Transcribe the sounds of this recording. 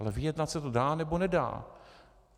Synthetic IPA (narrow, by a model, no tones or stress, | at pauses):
lɛvɪjɛdnat̪sɛt̪odaːnɛbo̞nɛda̰ː